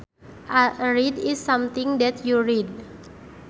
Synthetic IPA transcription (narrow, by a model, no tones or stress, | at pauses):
ʔaɹidisːamt̪iŋd̪ɛt̪ʰjuɹid̚